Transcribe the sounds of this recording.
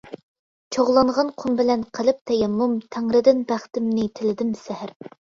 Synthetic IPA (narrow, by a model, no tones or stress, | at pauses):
t͡ʃʰoʁlˠɑɴʁɑnqʰumbɪlɛnqʰəlˠɪp̚t̪ʰɛjɛmːumt̪ʰæŋɾɪd̪ɪnbæχt̪ɪmnɪt̪ʰɪlɪd̪ɪmsæhɪɾ